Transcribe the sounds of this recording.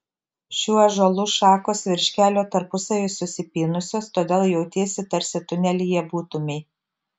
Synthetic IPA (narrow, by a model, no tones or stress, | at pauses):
ʃʲuːɐʒɔlˠuːʃɑːkoːsʋʲɪɾʲʃʲkʲæːlʲoːt̪ɐɾpʊsɐʋʲʊsʊsʲɪpʲiːnʊsʲoːst̪oːd̪ʲeːlˠjɛʊt̪ʲiɛsʲɪt̪ɐɾʲsʲɪt̪ʊnʲɛlʲɪjɛbuːt̪ʊmʲɛɪ